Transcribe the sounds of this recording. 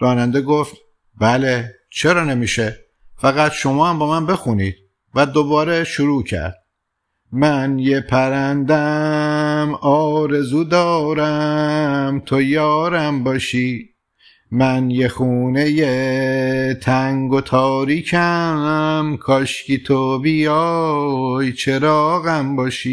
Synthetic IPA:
ɾɒːnænd̪eɡoft̪ | bæle | t͡ʃʰeɾɒːnemiːʃe | fæɣæt̪ʃo̞mɒːhæmbɒːmænbe̞xuniːd̪̥̚ | væd̪obɒːɾeʃuɾuːcʰæ̰ɾd̪̥̚ | mænjepʰæɾænd̪æ | mɒːɾe̞zuːd̪ɒːɾæ | mt̪ʰojɒːɾæmbɒːʃi | mænjexuːne̞je | t̪ʰæŋɡot̪ʰɒːɾiːcʰæ | mkʰɒʃcit̪ʰobijɒ | jt͡ʃʰe̞ɾɒːɣæmbɒːʃiː

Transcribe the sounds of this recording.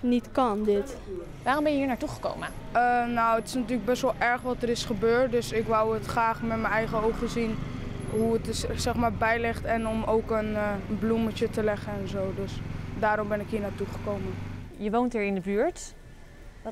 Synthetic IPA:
nitkɑndɪt | ʋaːrɔmbɛnjəɦiːɹnaːɹtuχə̥ko̰wmə | ənowətɪ̥snatyːləɡ̚bɛsʋɛlˠʔɛɹχʋɑtəɾɪsχəbøːɹt̚dɵsɪkʋɔwətχraːχmɛtmənɛjχəowχəzin | ɦuətsɛχmaːɹbɛjlɪχtɛnɔmowkənənblumət͡ʃətəlɛχənɛnzowdɵsdaːɾɔmbɛnɪkɦiːɹnaːɹtuχə̥kowməjəʋowntɦiːɹɪndəbyːɹt

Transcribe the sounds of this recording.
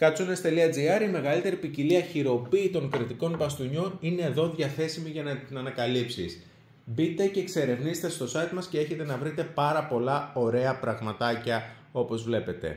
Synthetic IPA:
kɐsunest̪eliɐd͡ziɐɾime̞ɣɐlit̪e̞ɾipiciliɐçiɾo̞piːt̪o̞ŋkɾit̪iko̞nbɐst̪uɲo̞nine̞ːðo̞ðʝɐθe̞simiʝɐnɐt̪inɐnɐkɐlipsḭs | bit̪e̞ce̞kse̞ɾe̞vnizet̪e̞st̪o̞sɐit̪mɐsce̞e̞çe̞t̪e̞nɐvɾit̪e̞pɐɾɐpo̞lɐo̞ɾe̞ɐpɾɐɣmɐt̪ɐcɐo̞po̞zvle̞pe̞t̪e̞̰

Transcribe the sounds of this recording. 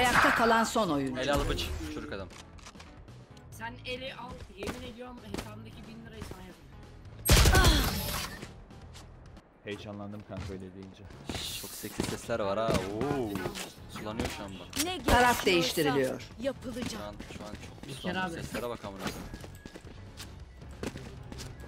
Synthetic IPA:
ajak̚t̪ʰakʰalˠanso̞no̞junelʲalˠbɯt͡ʃt͡ʃʰud͡ʒukad̪am | sænelʲiʔalˠjeminelʲijoɾmhesand̪acibind̪iɾajsanjap̪ˠ | hejd͡ʒanlˠand̪ɯmkʰankɾojlʲed̪iind͡ʒɛt͡ʃʰo̞ksecsʰisɛslʲæɾvaɾao | sulːˠanɯjoɾʃuambakneaɾafd̪e̞jiʃt̪iɾilʲijo̰ɾ̥japʰɯlˠɯd͡ʒauanʃuant͡ʃʰo̞k̚usˠansɛslʲeɾɛbakʰamɯnad̪ɯm

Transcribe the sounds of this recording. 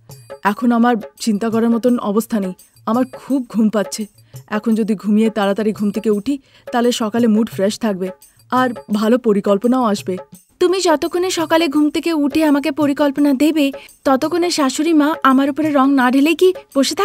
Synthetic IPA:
ɛkʰonamaɾt͡ɕint̪akɔɾaɾmɔt̪onɔ̰bost̪ʰanej | amaɾkʰub̚ɡʱumpat̪ːɕʰe | ɛkʰond͡ʑod̪ʱiɡʱumijet̪alat̪aɾiɡʱumt̪ʰekeuʈʰi | t̪aleʃɔkalemuʈfɾeʃt̪ʰak̚be | aɾbʱalopoɾikɔlponaoaʃbe | t̪umid͡ʑɔt̪okʰːoneʃɔkaleɡʱumt̪ʰekeuʈʰeamak̬epoɾikɔlponad̪ebet̪ɔt̪okʰːoneɾʃaʃoɾimaʔamaɾupoɾeɾɔŋnaɖʱelejkib̥oʃet̪ʰa

